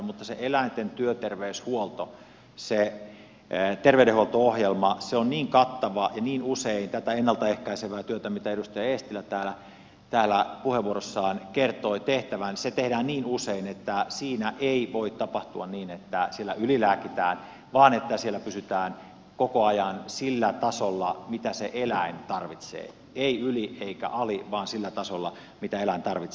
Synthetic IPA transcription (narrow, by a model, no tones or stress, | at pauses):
mut̪ːɑsḛʔelæˑint̪ent̪yøt̪erʋeyshuolt̪o | se | t̪erʋeyɾehuolt̪oohjelmɑseonniːŋkɑt̪ːɑʋɑjɑniːnuseint̪æt̪æenːɑlt̪ɑehkæiseʋˑæːt̪yøt̪æmit̪æedust̪ɑjɑest̪ilːˑæt̪æːlæ | t̪æːlːæpuheʋʋuorosːɑːnkert̪oit̪eht̪æʋænset̪ehdæːnniːnuseinet̪ːæsiːnæʔeiʋoit̪tɑpɑht̪uɑnniːnet̪ːæsielːæylilæːkit̪æːn | ʋɑːnet̪ːæsielːˑæpysyt̪æːn | kokoɑjɑnsilːæt̪ɑsolːɑmit̪æseʔelæint̪ɑrʋit̪sḛː | eiylieikæ̰ʔɑliʋɑːnsilːæt̪ɑsolːɑ̰ | mit̪æelæint̪ɑrʋit̪s